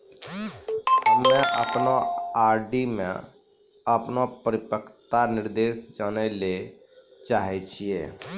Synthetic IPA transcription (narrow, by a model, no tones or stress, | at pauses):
mɛ̃ʔəpnoaːɾɖimḛ̃ | əpnopəɾɪpəkʰt̪anɪɾd̪eːsd͡ʒaːnele | t͡ʃaːɦet͡ʃʰiḛː